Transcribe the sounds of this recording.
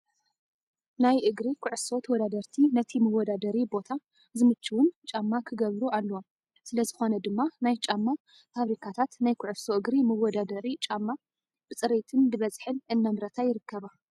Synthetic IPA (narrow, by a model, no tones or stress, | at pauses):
najʔɨɡɾikʰʊʕɨfso̞t̪ʰwɔd̪ad̪ɐɾt̪ʰinɐt̪ʰimɨwɔd̪ad̪ɐɾibo̞t̪ʰa | zɨmɨt͡ʃːiwʊnt͡ʃʼamːakʰɨɡɐβɾualːɐwom | sɨlɐzɨxo̞nɐd̪ɨmːanajt͡ʃʼamːa | faβɾikʰat̪ʰat̪najkʰʊʕɨfsoʔɨɡɾimɨwɔd̪ad̪ɐɾit͡ʃʼamːa | b̥ɨt͡sʼɨɾet̪ʰɨndɨβɐzħɨnɨnːamɾɐt̪ʰajɪɾɨkːɐβa